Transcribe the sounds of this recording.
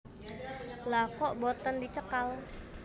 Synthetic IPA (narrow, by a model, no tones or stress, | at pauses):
lakɔʔbɔt̪əndit͡ʃəkal